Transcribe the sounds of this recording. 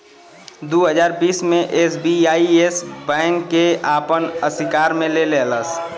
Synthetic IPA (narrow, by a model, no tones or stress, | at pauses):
d̪oːɦəzaːɾbiːsmẽʔeːsbiaːiesbɛ̃ːŋkːeaːpənəsɪkaːɾmẽleleləs